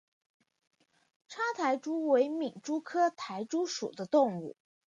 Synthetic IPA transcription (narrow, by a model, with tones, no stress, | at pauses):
ʈ͡ʂʰa˥t̪ʰa˧˥ɪʈ͡ʂu˥we˧˥ɪmi˨˩ŋʈ͡ʂu˥kʰɤ˥t̪ʰa˧˥ɪʈ͡ʂu˥ʂṵ˨˩d̪ə˦t̪ʊ˥˧ŋṵ˥˩